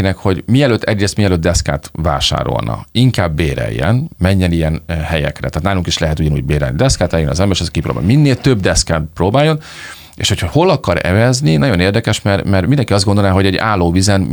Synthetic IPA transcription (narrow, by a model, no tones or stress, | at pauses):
inɛkho̞ɟmiɛløːt̪ːʰɛɟreːst̪miɛløːt̪̚ːd̪ɛska̰ːt̪va̰ːʃa̰ːɾo̞̰lnɒ̰iŋkaːbːeːɾɛ̰jːɛ̰nmɛɲːɛnijɛnhɛjɛ̰krɛ̰t̪aːt̪naːluŋkiʃlɛɦɛt̪uɟɒnṵːɟbeːɾɛ̰lnid̪ɛskaːt̪ɛjøniɒ̰zɛmbɛleːʃɛzkipɾo̰ːba̰ːminːeːlt̪øbd̪ɛskaːproːbaːjːo̞n | ḛːʃho̞chɒho̞lɒkɒɾɛ̰vɛzninɒɟo̞neːrd̪ɛkɛʃmɛrmɛrmind̪ɛŋkiɒzd̪ɡo̞nd̪onaːɦo̞ɟɛɟa̰ːlːoːvizɛn